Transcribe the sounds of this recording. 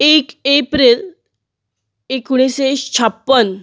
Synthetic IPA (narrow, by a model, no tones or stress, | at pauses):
ekepɾel | ekuɽ̃isest͡ɕʰapːən